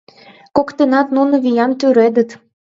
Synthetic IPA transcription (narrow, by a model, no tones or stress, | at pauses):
kokt̪ənɑt̪nunŏβijɑmt̪yɾed̪ə̆t̪